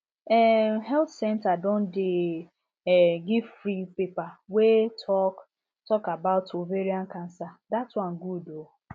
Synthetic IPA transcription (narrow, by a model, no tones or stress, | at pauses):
ɛɦɛlt̪sɛntadon̩dɪ | ɡɪfɾipepawetʰɔk | tɔkabaʊtoveɾiaŋ̩kan̩sadatwãn̩ɡudo